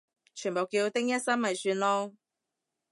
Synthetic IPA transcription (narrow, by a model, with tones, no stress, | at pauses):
t͡ʃʰyː˨˩npo˨wkiː˧wt̪ɪ˥ŋjɐ˥t̚sɐ˥nmɐ˨jsyː˧nlɔː˥